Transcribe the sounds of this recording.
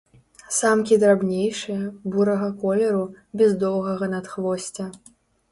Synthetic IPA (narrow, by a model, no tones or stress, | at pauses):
samkʲid̪ɾabnʲejʂɨjɐbuɾɐɣɐkɔlʲɛɾu | bʲɛzd̪ɔwˠɣɐɣɐnɐt̪xvɔsʲt͡sʲɐ